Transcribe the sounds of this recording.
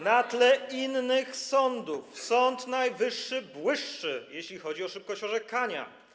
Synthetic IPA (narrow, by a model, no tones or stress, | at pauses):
nat̪lɛinːɘxsɔnd̪ufsɔnt̪najvɘʂːɘbwɘʂːɘjeɕlʲixɔd͡ʑiɔʂɘp̚kɔɕt͡ɕɔʐɛkaɲa̰